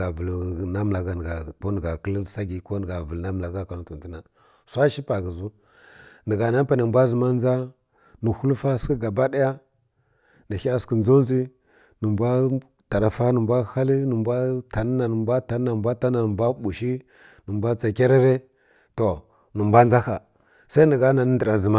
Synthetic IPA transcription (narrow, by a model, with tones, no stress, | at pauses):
a˨və˨lna˦m˨la˨ɡa˨n˨ɡa˨ko˦nə˨ɡa˨kə˦lsa˦ɡi˨ko˦n˨ɡa˨və˨lna˦m˨la˨ɡa˦ka˨nu˦tu˨nti˦na˨ | sʷa˦ʃi˦pa˨ɡə˨zu˦ | nə˨ɡa˨na˦m˦pa˨nə˨mbʷa˦zə˨ma˦n˦d͡za˦ | nə˨hu˦lfa˦skə˦ɡa˨ba˦da˦ja˦ | nə˨ʃi˦a˦skə˨nzo˦n˦zi˦ | nə˨mbʷa˦ | ta˨ɗa˨fa˦nə˨mbʷa˦ha˦li˦nə˨mbʷa˦ta˨n˦na˨nə˨mbʷa˦ta˨˦na˨mbʷa˦ta˦na˨nə˨mbʷa˦ɓu˨ʃi˦ | nə˨mbʷa˦t͡sa˨kʲa˦ɾa˦ɾe˦ | to˨ | nə˨mbʷa˦n˦za˦xa˨ | sa˦i˦nə˨ɡa˦na˨nə˦ndə˨ɾa˨zə˨ma˦